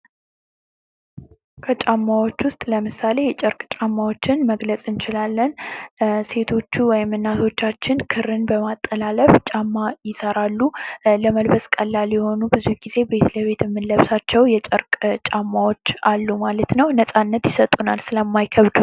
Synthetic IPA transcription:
kʰət͡ʃʼamːawo̞t͡ʃːwʊst̪ʼləmɨsale̞jɛt͡ʃʼəɾkʼt͡ʃʼamːawo̞t͡ʃːɪnməɡlət͡sʼɨnt͡ʃɪlalːən | se̞t̪ʰo̞t͡ʃːuwɔjɪmːɨnːaso̞t͡ʃːat͡ʃːɪnkʰɨɾɨnbəmat̪ʼːəlaləft͡ʃʼamːajɪsəɾalːuləməlbəskʼəlːaljɛho̞nubɨzuɡize̞be̞t̪ləβe̞t̪jɛmːɨnləβsat͡ʃːɛwjɛt͡ʃʼəɾkʼt͡ʃʼamːawo̞t͡ʃːalːumalət̪nəwnəsʼanːət̪jɪsət̪ʼunalsɨləmːajkʰəβd̪u

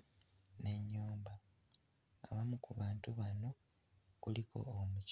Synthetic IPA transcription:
ne̞ɲːuːmba̰ː | βamukuβaːntuβano̞ | kulikʰo̞̰ːmuc

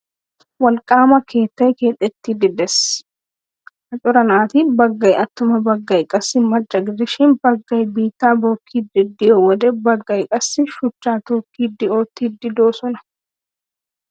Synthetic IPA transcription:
wɐlkʼaːmɐkʰe̞ːt̪ːɐjke̞ːt̪ʼːɛt̪ːid̪ɪd̪ɛs | hɐt͡ʃʼʊɾɐnaːt̪ɪbɐɡːɐjɐt̪ːʊmɐbɐɡːɐjkʼɐsːɪmɐdːɐɡɪɾɪʃɪnbɐɡːɐjbiːt̪ːaːboːkʰːiːd̪ɪd̪ːɪjowɔd̪ɛbɐɡːɐjkʼɐsːɪʃʊt͡ʃːaːt̪oːkːiːd̪ːɪoːt̪ːid̪ːɪd̪oːsɔnɐ̥

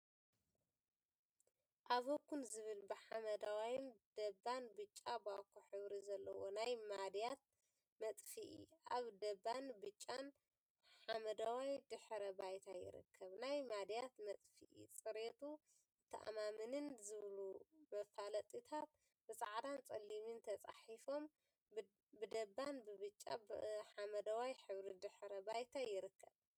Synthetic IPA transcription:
ʔaβokʰːunzɨβɨlbɨħamɐd̪awajmd̪̥ɐbːanbɨt͡ʃʼːabakʰoħɨβɾizɐlːɐwo̰najmad̪jat̪̚ | mɐt̪ʼfiʔḭʔaβd̪ɐbanbɨt͡ʃʼːan | ħamɐd̪awajd̪ɨħɾɐbajt̪ʰajɪ̰ɾɨ̰kʰːɐβnajmad̪jat̪mɐt̪ʼfḭʔḭt͡sʼɨɾet̪ʰu | ɨt̪ʰːɐʔa̰mamɨnɨnzɨβlumɐfalɐt̪ʼit̪ʰat̪̚ | bɨsʼaʕd̪ant͡sʼɐlimint̪ʰɐt͡sʼa̰ħifo̞m | bɨd̪ɐbːanbɨβɨt͡ʃʼːa̰ħamɐd̪awajħɨβɾid̪ɨħɾɐbajt̪ʰajɪɾɨkʰːɐβ

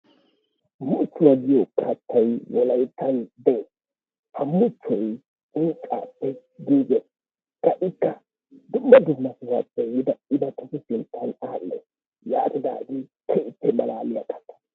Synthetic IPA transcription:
mʊt͡ʃːʊwɐɡɪjɔkʰɐt̪ʰːɐjwɔlɐjt̪ʰːɐnd̪ɛ | hɐmʊt͡ʃːɔj | ʊːkʼːa̰ːpːɛ | ɡiːɡɛ | kɐʔɪkːɐ | d̪ʊmːɐd̪ʊmːɐsɪwat͡sʼːɛjɪd̪ɐɪd̪ɐkʊsʊsɪnt̪ʰːɐnaːlːɛ̰ | jaːt̪ɪd̪a̰ːɡɪkʰɛʔɪtːɛmɐlaːlɪjakʰɐ̥t̪ːɐ̥n

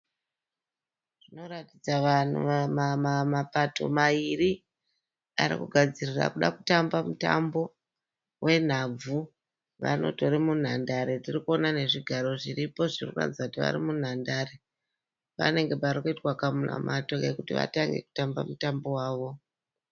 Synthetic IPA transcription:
ʐ̥ino̞ɾatid͡zaʋan̤ṵamamamapatʰo̞̰mairi | aɾḭkuɡʱad͡zirira̰kuɗaku̥tambamuta̰mbo̞ | wʔe̞n̤ab͡vu | ʋa̰no̞̰to̞ɾemun̤andaɾetirikuo̞nane̞ʐiɡʱaɾo̞ʐiripo̞ʐirikua̰d͡zakutiʋa̰ɾimun̤andare | pa̰ne̞ŋɡe̞paɾikuitwakamuna̰matoɡekutiʋa̰taŋɡe̞̰ku̥tamba̰mutambo̞waːʋo̞

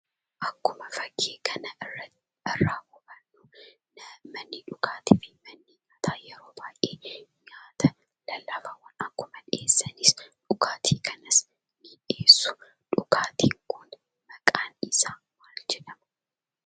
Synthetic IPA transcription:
ʔɐkːʊmɐfɐɡːeːkʰɐnɐɪrːɐt̪ɪɛrːaːkʊbɐnːu | nɐmɐnːiᶑʊkaːt̪ɪfɪmɐnːiɲaːt̪ʰaːjɛɾoːbaːʔeːɲaːt̪ʰɐ | lɐlːaːfɐwɐnɐkːʊmɐᶑeːsːɐnɪsᶑʊkaːt̪ʰiːkʰɐnɐs | nɪᶑe̞ːsːʊ̥ | ᶑʊkaːt̪ʰiːŋkʊn | mɐkʼaːnɪsaːnwaːld͡ʒɛᶑɐmɐ

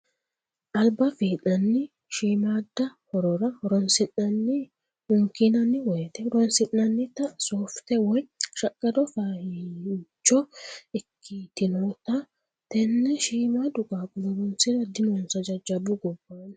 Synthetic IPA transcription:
ʔɐlbɐfiːᶑɐnːɪ | ʃiːmaːd̪ːɐhɔɾɔɾɐɔɾɔnsɪnɐnːi | hʊŋkinɐnːɪwet̪ɛɾɔnsɪnːɐnːɪt̪ɐsoːft̪ɛwɔjʃɐkʼːɐd̪ɔfah | d͡ʒɔɪkʰːit̪ɪnɔt̪ɐ | t̪ɛnːɛʃiːmad̪ʊkʼaːkʼʊlɔɾɔnsɪɾɐd̪ɪnonsɐd͡ʒɐd͡ʒɐbʊɡɔbːaːn

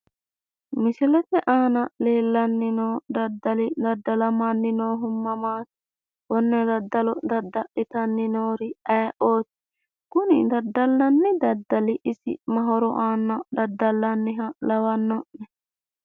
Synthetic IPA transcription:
mɪsɪlɛt̪ɛʔaːnɐleːlːɐnːɪnoːd̪ɐd̪ːɐlɪd̪ɐd̪ːɐlɐmanːɪnoːɦʊmːɐmaːt̪ | wɔnːɛd̪ɐd̪ːɐlɔd̪ɐd̪ːɐʔɪt̪ɐnːɪnoːɾɪɐːʔoːt̪ɪ̥ | kʊnɪ̰d̪ɐd̪ɐlːɐnːɪd̪ɐd̪ːɐlɪʔɪsɪ̰mɐɦɔɾɔʔaːnːɐd̪ɐd̪ːɐlːɐnːɪɦɐlɐwɐnːɔʔɛ

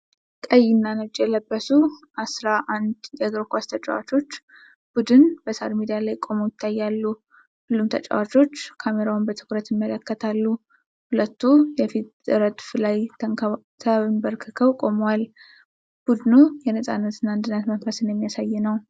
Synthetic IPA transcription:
kʼəjːɪnːanət͡ʃʼːjɛləbːəsuʔasɾaʔand̪jɛɡɾkʷast̪ʰət͡ʃʼa̰wa̰t͡ʃo̞t͡ʃː | b̥ud̪ɨnbəsa̰ɾmid̪ijalajkʼo̞mowjɪt̪ʰːajːalːu | hʊlːumt̪ʰət͡ʃʼə̰wat͡ʃʰo̞t͡ʃːkʰameɾawnbət̪ʰɨ̥kɾət̪jɪmːələkːət̪ʰalːu | hulət̪ːujɛfit̪ɾəd̪flaj | t̪ʰəmbəɾkʰɨkʰəwkʼo̞mwal | b̥ud̪nujɛnəsʼanːət̪ɨnːaɨnd̪ɨnːat̪mənfəsɨnjɛmːijasajːɛnəw

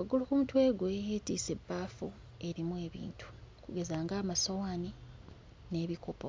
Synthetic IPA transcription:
aɡulukumutwe̞ːɡwejeːtiːse̞bːaːfu | e̞ɾimwe̞ːβḭːntu̥kuɡe̞zaːŋɡaːmaso̞wani | ne̞ːβiko̞po

